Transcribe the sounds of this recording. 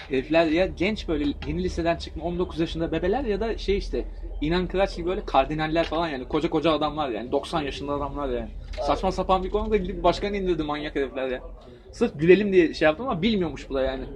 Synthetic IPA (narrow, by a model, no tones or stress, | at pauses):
heɾflʲæɾjaɟɛnt͡ʃbø̞jlʲɛje̞nilʲise̞d̪ænt͡ʃʰɯ̥kmao̞nd̪o̞kʰuzjaʃɯnd̪abe̞be̞lʲæɾjad̪aʃe̞jiʃt̪ʰɛ | inankʰɯɾat͡ʃɟʲibø̞jlʲɛkʰaɾd̪inalʲːæɾfalˠanjaːnikʰo̞d͡ʒako̞d͡ʒaːd̪amlˠaɾja̰ːnid̪o̞ksanjaʃɯnd̪aːd̪amlˠaɾjaːnɪsat͡ʃmasapanbikʰo̞nud̪ailʲd̪ʲibbaʃkanind̪iɾd̪imanjaked̪ɛflʲæɾjaːn | sɯɾɟylʲe̞lʲimd̪ijɛʃejapt̪ɯmamabilʲmijo̞muʃbulˠajaːnɪ